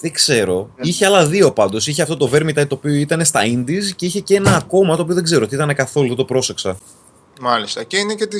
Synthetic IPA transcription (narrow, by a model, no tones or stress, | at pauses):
ðeɡse̞ɾo̞içeɐlɐðio̞pɐnd̪o̞siçeɐft̪o̞t̪o̞ve̞ɾmit̪ɐit̪o̞ːpioit̪ɐne̞st̪ɐind̪isce̞içe̞cee̞nɐːko̞mɐt̪oːpio̞ðeɡze̞ɾot̪iit̪ɐne̞kɐθo̞luðet̪o̞pɾo̞se̞ksɐ | mɐlist̪ɐceinecet̪i